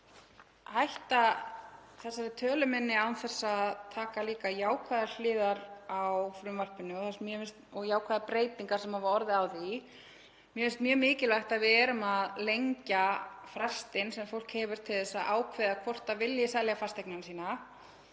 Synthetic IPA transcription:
hajht̪a | θɛsːaɾɪt̪ʰœːlʏmɛnːɪawnθɛsːaðt̪ʰaːkaliːkajaːwkʰvaðaɾl̥ɪːðaɾawfɾʏmvar̥pɪnːʏɔθasmjœfɪnst̪ɔɣjaːwkʰvaːðapɾeːjt̪iŋkaɾ̥sɛmhavaɔɾðɪaːwði | mjɛmɪnst̪mjœːmɪːcɪlvajxt̪aðvɪðɛːɾʏmaðlejɲcafɾast̪ɪnsɛmfowl̥khɛːvʏɾ̥t̪ʰɪlθɛsːaʔaːwkʰvɛːðakʰvɔr̥t̪avɪljɪsɛljafast̪ejknansiːna

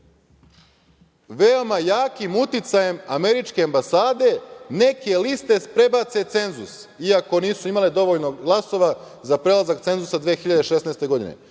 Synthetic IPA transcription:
ʋeo̞majaːkimut̪it̪saje̞mame̞ɾit͡ʃke̞ambasaːd̪e̞ne̞ke̞list̪e̞pɾe̞bat̪se̞t̪se̞nzṵs | iako̞niːsuimaled̪o̞ʋoʎnoɡlˠaso̞ʋa | zapɾelˠazakt̪e̞nzusad̪ʋeːxiʎad̪eʃesnaest̪e̞ɡo̞d̪ḭnḛ

